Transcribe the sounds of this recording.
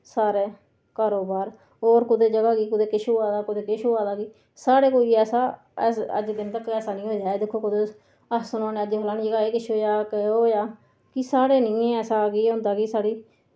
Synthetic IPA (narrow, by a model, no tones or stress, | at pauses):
saːɾeː | kaːɾoːbaːɾ | ɦoːɾkʊd̪eːd͡ʒəɡaːɡiːkʊd̪eːkɪʃoːaːd̪aːkʊd̪eːkɪʃoːaːd̪aːɡiː | saːɽeːkoːiːɛːsaː | ɛsə̰d͡ʒd̪ɪnt̪əkːɛːsaːnĩːɦoːd͡ʒaːeːd̪ɪkʰːoːkʊd̪eː | əsʊnoːneːəd͡ʒeːɦlaːniːd͡ʒəɡaːeːkɪʃʰoːjaːkəoːjaː | kɪsaːɽeːnĩːɛːsaːɡiːɦʊ̃nd̪aːkiːsaːɽiː